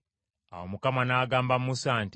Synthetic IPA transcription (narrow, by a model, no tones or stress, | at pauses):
awomukamanaːɡaːmbamusaːnt